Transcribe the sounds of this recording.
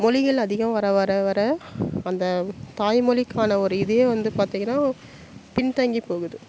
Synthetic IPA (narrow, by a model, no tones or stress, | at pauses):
mɔlɪɣɐɭɐðɪɣɐmʋɐɾɐʋɐɾɐʋɐɾɐɐnd̪ɐt̪aːjmɔɭɪkːaːnɐɔɾɯɪðɐjeːʋɐnd̪ɯpaːɾt̪iːŋɡɐnːaː | pɪnt̪ɐŋɡipoːɣɯðɯ